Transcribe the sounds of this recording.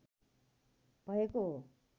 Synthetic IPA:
bʱʌekoɦo

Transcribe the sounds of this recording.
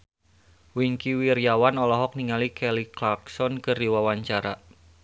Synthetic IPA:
wiŋkiwiɾjawanɔlɔɦɔk̚niŋalikʰɛliklaksɔnkɨrdiwawaɲt͡ʃaɾa

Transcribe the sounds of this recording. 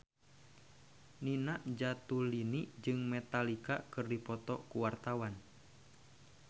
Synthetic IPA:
ninaʔd͡ʒat̪ulinid͡ʒɨŋmɛt̪alikakɨrdipɔt̪ɔkuwart̪awan

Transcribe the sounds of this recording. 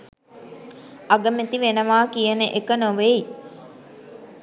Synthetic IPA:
aɡəmet̪iʋenəʋaːkijənəʔekənoʋei

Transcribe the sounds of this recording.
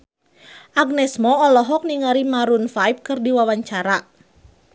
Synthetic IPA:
ʔaɡnɛsmɔɔlɔɦɔk̚niŋaɾimaɾunfajp̚kɨrdiwawaɲt͡ʃaɾa

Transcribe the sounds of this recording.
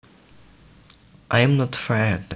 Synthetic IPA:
ʔãɪ̃mnɔtfɛd̪

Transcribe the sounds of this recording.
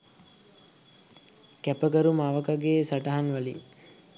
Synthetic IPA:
kæpəɡəɾumaʋəkaɡeːsaʈaɦanʋaliŋ

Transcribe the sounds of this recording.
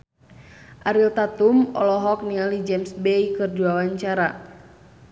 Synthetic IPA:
ʔaɾilt̪at̪umɔ̰lɔɦɔk̚nialid͡ʒɛmsbɛjkɨrduawaɲt͡ʃaɾa

